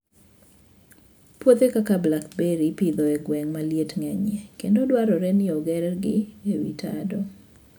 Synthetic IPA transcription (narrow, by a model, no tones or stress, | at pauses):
pwot̪ekakablakbeɾipid̪ɔɛɡwɛŋmaljetŋɛɲɛkendodwaɾɔɾɛnɪɔɡɛɾɛɡɪewḭtʰa̰dɔ